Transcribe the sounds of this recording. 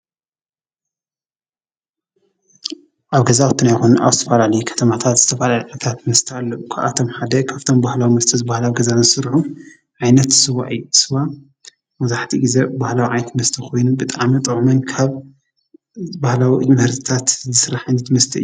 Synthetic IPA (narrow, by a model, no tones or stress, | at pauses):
ʔaβɡɐzawt̪ʰɨnajxonna̰βzɨt̪ʰɐfalalɐjukʰɐ̥t̪ʰɐmat̪ʰat̪zɨt̪ʰɐfalaliʕajt̪ʰat̪mɐst̪ʰɐalːɐʔukʰaʔa̰t̪ʰo̞mħad̪ɐkʰaβt̪ʰo̞mbahlawimɐst̪ʰɐzɨbahlawiɡɐzazɨsɨɾħu | ʕajnɐt̪sɨβa̰ʔɨjːusɨβa | mɐzaħt̪ʰiɡize̞bahlawiʕajt̪ʰmɐst̪ʰɐkʰo̞jnubɨt̪ʼaʕmit̪ʼɨʕmɐnkʰaβ | bahlawiʔɨjhɐɾst̪ʰi̥t̪ʰat̪zɨsɨɾaħɨnɨt̪mɐst̪ʰɐɨjːu